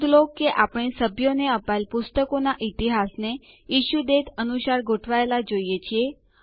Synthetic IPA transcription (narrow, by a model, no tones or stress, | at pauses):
d̪lokːeʔapɽ̃esəbʱjoneəpaelpust̪əkonaʔit̪iɦasne | iʃud̪et̪ʰənuʃaɾɡʱoʈʰʋaelad͡ʒoijet͡ʃʰie